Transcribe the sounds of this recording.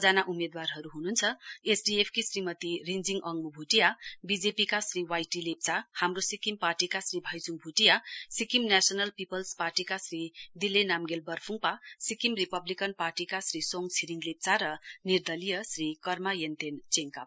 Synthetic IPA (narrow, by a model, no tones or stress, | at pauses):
d͡zanaʔumed̪warɦʌɾuɦununt͡sʰʌesɖiepʰkisrimʌt̪irind͡ziŋɡʔʌŋmubʱuʈijabid͡zepikasriwajʈilep̚t͡sahamrosikimparʈikasribʱʌjt͡suŋbʱuʈijasikimnasʌnʌlpipʌlsparʈikasrid̪ilenamɡelbʌrpʰuŋpasikimripʌblikʌnparʈikasrisoŋt͡sʰiɾiŋlep̚t͡saɾʌnird̪ʌlijʌsrikʌrmajent̪ent͡seŋka